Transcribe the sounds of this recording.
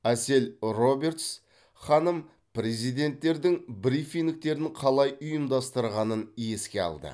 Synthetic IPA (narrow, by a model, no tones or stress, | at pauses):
æse̞lro̞be̞ɾt̪s | χɑnəm | pɾe̞zijd̪e̞nt̪ːe̞ɾd̪ɪŋbɾifiŋd̪ɪk̚t̪e̞ɾɪɴqʰɑlˠɑjʊjəmd̪ɑst̪əɾʁɑnənje̞skʲe̞ɑ̰lˠd̪ə̰